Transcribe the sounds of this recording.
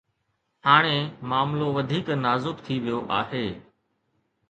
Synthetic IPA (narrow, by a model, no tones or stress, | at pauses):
haːɽ̃ẽːmaːmloːʋəd̪ʱiːknaːzʊkt̪ʰiʋɪjoːʔa̰ːɦeː